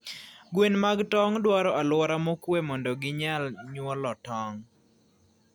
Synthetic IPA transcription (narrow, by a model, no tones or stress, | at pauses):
ɡwenmaɡtɔŋdwaɾɔʔalwɔɾamokwemɔndɔɡɪɲalɲwɔlɔtɔŋ